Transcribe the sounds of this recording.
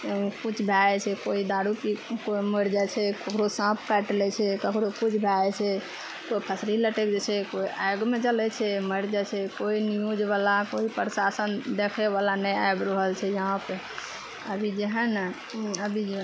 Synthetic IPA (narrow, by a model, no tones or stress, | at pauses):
kut͡ʃʰbʱaɛt͡ʃʰɛkoid̪aɽukikoməɾd͡ʒat͡ʃʰɛkəkʰɾosãpʰkaʈlɛt͡ʃʰɛkəkʰɾokut͡ʃʰbʱaɛt͡ʃʰɛ | koipʰəsɾiləʈekd͡ʒet͡ʃʰɛkoiʔajɡmed͡ʒəlɛt͡ʃʰɛməɾd͡ʒat͡ʃʰɛkoinijud͡ʒʋalakoipəɾsasənd̪ekʰeβalanəjajbɾəɦəlt͡ʃʰɛjəɦãpe | əbʱid͡ʒeɦən | əbʱid͡ʒ